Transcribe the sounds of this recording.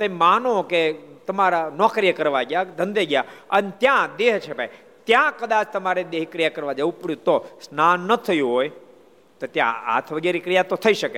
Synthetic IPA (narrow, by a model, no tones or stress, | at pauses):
t̪emanõket̪əmaɾanɔkɾijəkəɾʋaɡjad̪ʱə̃nd̪eɡjaənet̪jãd̪eɦt͡ʃʰebʱaj | t̪jãkəd̪at͡ʃʰt̪əmaɾed̪eɦikɾijakəɾʋad͡ʒəũpəɽjũt̪osnanːət̪ʰəjũɦoj | t̪ot̪jã̰a̰t̪ʰʋəɡeɾikɾijat̪ot̪ʰəiʃəke